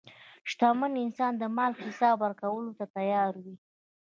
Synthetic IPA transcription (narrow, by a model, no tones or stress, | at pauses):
ʃt̪ɑmənɪnsɑnd̪əmɑlkhɪsɑbwaɾkawəlot̪at̪ajɑɾwi